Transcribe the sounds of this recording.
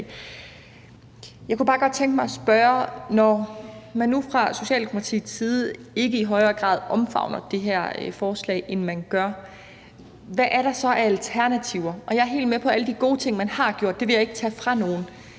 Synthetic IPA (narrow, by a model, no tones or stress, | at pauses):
jɑɪkʰub̥ɑ̈ːɡ̥ɒ̽d̥̚t͡sʰeŋɡ̥mɑ̈ɪɒsb̥ɶːɐnɒmænːufʁɑ̈so̝ɕɛ̰ːld̥emo̥pʰɑt͡sʰḭːsiːð̞ˠe̝ɡ̥əiɦɒ̽ɪɐːɡ̥ʁɑ̰ːðˠʔɒ̽mfɑ̈ʊ̰nɐd̥e̝ɦæɐ̰fɒːslɛ̰ɪʔenmænɡ̥ɶɐ | ʋæʔæɐɾ̥ɑ̈sɒ̽ʔæælt͡sʰæɐnæt͡sʰiʊ̰ɐʔɒ̽jɑ̈ɐɦe̝̰ːldmepʰɒ̽æləd̥iɡ̥o̝ːt͡sʰe̝ŋ̰mænhɑ̈ɡ̥jo̝̰ɐ̰d̥e̝ʋe̝jɑ̈e̝ɡ̥ət͡sʰæfʁɑ̈no̝ːn̩